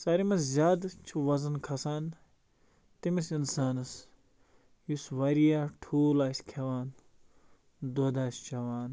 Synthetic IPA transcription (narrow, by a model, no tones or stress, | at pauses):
sɐɾimɐszʲjaːd̪t͡ʃʰuʋɐzɐnkʰɐsaːn | t̪imisinsaːnɐs | jusʋɐɾijaːʈʰuːlaːsʲkʲʰɐʋaːn | d̪oːd̪aːsʲt͡ʃɐʋaːn